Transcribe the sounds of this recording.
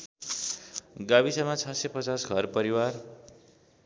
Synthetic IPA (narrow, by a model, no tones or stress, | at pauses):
ɡabisʌmat͡sʰʌsepʌt͡sasɡʱʌrpʌɾiwar